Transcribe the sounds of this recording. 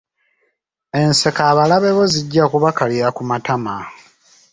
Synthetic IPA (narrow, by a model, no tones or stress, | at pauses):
e̞nse̞kaːβalaβe̞βo̞ziɟːakuβakaliɾakumatama